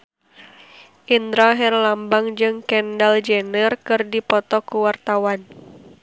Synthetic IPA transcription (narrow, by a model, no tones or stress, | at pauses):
ʔind̪ɾaɦɛrlambaŋd͡ʒɨŋkɛndald͡ʒɛnərkɨrdipɔt̪ɔkuwart̪awan